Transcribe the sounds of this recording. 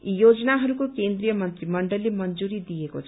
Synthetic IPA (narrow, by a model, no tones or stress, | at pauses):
joːd͡ʒnaɦɐlkokẽːnd̪ɾijəmə̃nt̪ɾimɐ̃ɳɖəlimɐnd͡ʒuːɾid̪ijeko̰